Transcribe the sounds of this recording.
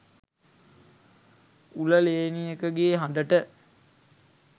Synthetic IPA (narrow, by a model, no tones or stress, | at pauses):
uləleːnijəkəɡeːɦand̪əʈə